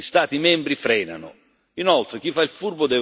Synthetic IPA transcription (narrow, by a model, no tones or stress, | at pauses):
ist̪aːt̪imɛmbɾifɾɛːna̰nʊ̰ | inɔlt̪ɾɪk̟ifːailfurbʊd̪ɛːv